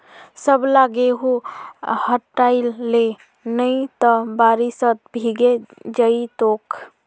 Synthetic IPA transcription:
səblaɡeɦuhəʈːaɪlːe | nəit̪əbaɾisət̪̚bʱiɡed͡ʒəit̪ok

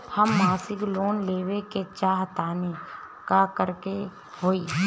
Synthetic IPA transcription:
həmːaːsɪkloːnleːʋeket͡ʃaːɦt̪aːne | kakəɾke | hoːiː

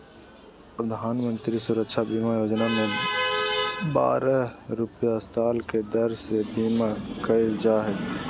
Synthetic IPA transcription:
pɾəd̪ʱaːnmə̃nt̪ɾisuɾəkʃʰabiːmajoːd͡ʒnamẽ | ba̰ːɾaɾʊpjasaːlked̪əɾsebiːmakəid͡ʒaːɦed̪

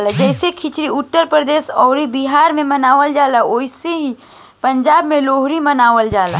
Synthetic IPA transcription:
lad͡ʒɛɪsekʰɪt͡ʃɾiʊt̪ːəɾpɾəd̪eːsɔːɾibiɦaːɾmẽmɐnaːʋəld͡ʒaːlaoːiseɦi | pɐ̃ɲd͡ʒaːbmẽloːɦɾimɐnaːʋəld͡ʒaːla̰

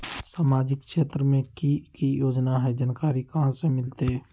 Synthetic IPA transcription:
saːmaːd͡ʒɪkʰʃeːt̪ɾəmẽkikijoːd͡ʒnaɦɛd͡ʒənkaːɾikɐɦãsemɪlt̪e

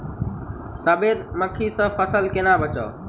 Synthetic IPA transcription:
səbed̪məkʰisə̃pʰəsəlkenabət͡ʃə̰ː

